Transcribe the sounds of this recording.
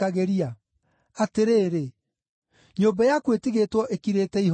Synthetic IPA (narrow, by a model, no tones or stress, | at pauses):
aɣeɾia | ateɾeːɾe | ɲoːbɛjakwetiɣetwɔʔekiɾeːtɛiɦ